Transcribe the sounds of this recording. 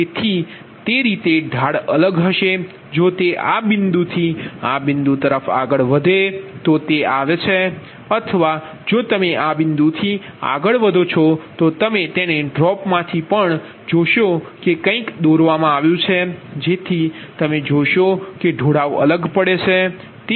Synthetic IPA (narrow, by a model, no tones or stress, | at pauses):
et̪ʰi | t̪eɾit̪eɖʱaɽələɡɦəʃe | d͡ʒot̪eʔabɪnd̪ut̪ʰiabɪnd̪ut̪əɾəfa̰ɡəɭʋəd̪ʱet̪ot̪eaʋet͡ʃʰe | ət̪ʰəʋa | d͡ʒot̪əmeʔabɪnd̪ut̪ʰi | a̰ɡəɭʋəd̪ʱot͡ʃʰɔt̪ot̪əmet̪eneɖɾɔpmãt̪ʰipəɳ | d͡ʒoʃokekə̃ĩkd̪oɾʋamãaʋjũt͡ʃʰed͡ʒet̪ʰit̪əmed͡ʒoʃokeɖʱoɽaʋə̰ləɡpəɽet͡ʃʰe | t̪e